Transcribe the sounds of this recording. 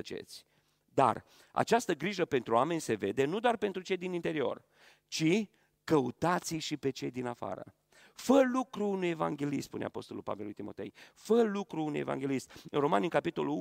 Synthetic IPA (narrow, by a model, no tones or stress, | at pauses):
ət͡ʃe̞̰t̪sʲ | d̪a̰r | a̰t͡ʃast̪əɡɾiʒəpe̞nt̪ɾuame̞nʲse̞ve̞d̪e̞nud̪oarpe̞nt̪ɾut͡ʃe̞jd̪inint̪e̞ɾio̞̰r | t͡ʃi | kəut̪at̪siʃipe̞t͡ʃe̞jd̪inafa̰ɾə̰ | fəlukɾuunuje̞va̰ŋɡʲe̞lispṵne̞̰a̰po̞st̪o̞lṵlpa̰velujt̪imo̞t̪e̞̰jfəlukɾuunuje̞va̰ŋɡʲe̞list̪̚ɨ̰nro̞manikapit̪o̞lu